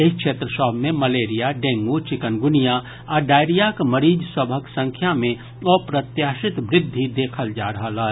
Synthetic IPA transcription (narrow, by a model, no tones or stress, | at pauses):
ekʃeːt̪ɾəʃɔːbmẽmɐleːɾijaɖẽːŋɡuot͡ʃɪkənɡʊnija | ɔːɖaːɪɾijakməɾiːd͡ʒsɐbʱəksə̃ŋkʰjamẽ | ɔːpɾɐt̪jaːʃɪt̪ʋɾɪd̪ʱːid̪eːkʰəld͡ʒa̰ːɾɐɦəlaː